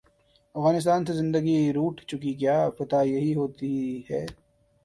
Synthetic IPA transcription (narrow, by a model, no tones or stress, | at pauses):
ɐfɣaːnɪs̬t̪aːnsezɪ̃nd̪əɡiɾuːʈʰt͡ʃʊkik̬jaːpɐt̪ajɐɦiɦoːt̪iɦɛː